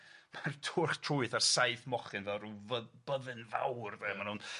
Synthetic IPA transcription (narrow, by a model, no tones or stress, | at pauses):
martʰʊrχtʰrʊɨθarsajθmɔχɨnvɛlˠruːvəb̥əðɨnva̰wrdɛmanhun